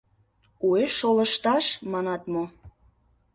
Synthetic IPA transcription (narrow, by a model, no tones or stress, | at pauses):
ueʃolə̆ʃt̪ɑʃmɑnɑt̪mo